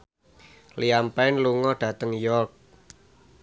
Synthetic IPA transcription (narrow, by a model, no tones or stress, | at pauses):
liampaɪnluŋɔɖ̥ä̤t̪əŋjɔrk̚